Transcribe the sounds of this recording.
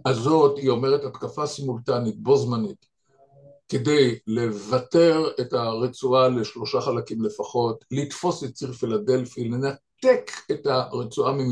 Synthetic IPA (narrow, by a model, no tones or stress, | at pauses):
azo̞thio̞me̞ʁethatkafasimultanit̚bo̞zmanit | ke̞dejle̞vate̞ʁe̞taʁet͡sualeʃlo̞ʃaχalakimle̞faχo̞tlitfo̞sett͡siʁfilade̞lfile̞nat̪eketaʁet͡suʔamim